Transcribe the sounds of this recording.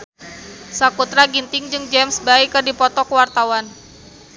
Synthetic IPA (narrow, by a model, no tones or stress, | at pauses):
sakut̪ɾaɡint̪ɪŋd͡ʒɨŋd͡ʒɛmsbaikɨrdipɔt̪ɔkəwart̪awan